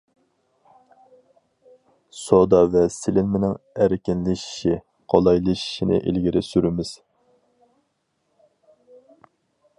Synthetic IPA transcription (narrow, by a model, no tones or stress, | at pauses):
sod̪ɑvɛsɪlɪnmɪnɪŋæɾkʲɪnlɪʃʃi | qʰɑlˠɑjlˠɨʃʃinɪ̰ʔḭlɡʲiɾɪsyɾɪmɪz̥